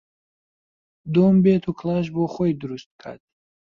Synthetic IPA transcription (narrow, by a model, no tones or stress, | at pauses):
d̪ombet̪ʰukʰlaʃ̬bɔχɔjd̪uɾust̪̚kʰa̰ɾd̪